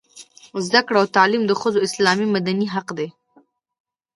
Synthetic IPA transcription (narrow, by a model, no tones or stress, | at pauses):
zd̪akɽawt̪ɑlimd̪əxəzoɪslɑmimad̪aniɦaqd̪e